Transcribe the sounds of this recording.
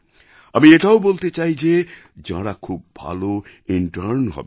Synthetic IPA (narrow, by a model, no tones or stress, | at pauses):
ʌmieʈʰawbolt̪et͡ʃaɦid͡ʒe | d͡ʒã̰ɽakʰubːʱa̰loiɳʈəɾnɦɔ̰b